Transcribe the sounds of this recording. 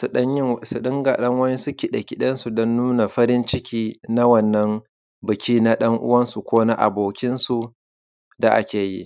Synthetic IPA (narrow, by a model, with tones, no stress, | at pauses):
sɐ˦ɲɪ˦˨su˨ɗɪ˦ŋɡaː˨ɗɐ˦ŋwɐ˦ni˦sʊ˦kʲi˦˨ɗɐ˨kʲi˦ɗɐ˦nsu˨dɔ˦nːʊ˦na˨ɸɐ˦ɾɪ˦nt͡ʃɪ˦kʲiː˦na˦wɐ˦˨nːɐ˦m | bɪ˨kʲiː˦na˦ɗɐ˦ŋʔʊ̰˦wɐ˦nsu˨kʷoː˦na˦ʔa̰˨boː˨kʲɪ˦nsu˨ | da˨ʔa̰˦kʲeː˨jḭ˦